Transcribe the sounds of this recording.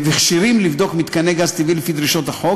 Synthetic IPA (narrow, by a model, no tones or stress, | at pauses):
viχʃiɾimlivd̪okmit̪kaneɡazt̪ivilefid̪ɾiʃot̪aħo